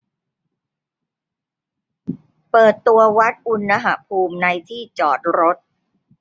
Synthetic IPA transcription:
pɤː˨˩t̪ːu˧ɐwa˦˥t̪̚ʔu˧nːa˧ɦa˨˧˩pʰuː˧mna˧jt̪ʰiː˥˩t͡ɕɔː˨˩t̪̚ɾo˦˥t̪̚

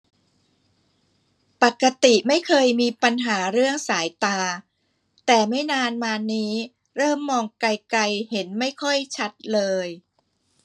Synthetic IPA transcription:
pa˨˩kːa˧t̪i˨˩ma˥˩jkʰɤː˧jmiː˧pa˧nɦaː˩˦ɾɯ˥˩əŋsaː˩˦jt̪aː˧ | t̪ɛː˨˩ma˥˩jnaː˧nmaː˧nːiː˦˥ | ɾɤː˥˩mːɔː˧ŋkla˧jka˧jhe˩˦nma˥˩jkʰɔ˥˩jt͡ɕʰa˦˥t̪̚lɤː˧j

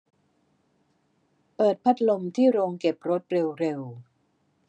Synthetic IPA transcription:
pɤː˨˩t̪̚pʰa˦˥t̪̚lo˧mt̪ʰiː˥˩ɾoː˧ŋke˨˩p̚ɾo˦˥t̪̚ɾe˧wɾe˧w

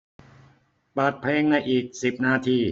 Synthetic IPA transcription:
paː˨˩t̪̚pʰleː˧ŋna˧jʔiː˨˩k̚si˨˩p̚naː˧˥˩t̪ʰiː˧˩

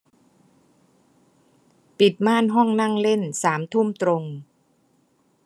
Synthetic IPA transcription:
pi˨˩t̪̚maː˥˩nɦɔ˥˩ŋna˥˩ŋle˥˩nsaː˩˦mt̪ʰu˥˩mt̪ɾo˧ŋ

